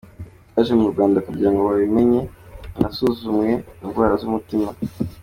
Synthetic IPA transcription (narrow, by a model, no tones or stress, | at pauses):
aʒemuɾuɡwaːndakuɾɟaŋɡowaβime̞ɲe̞nasuzumŋe̞nunwaːɾazumutima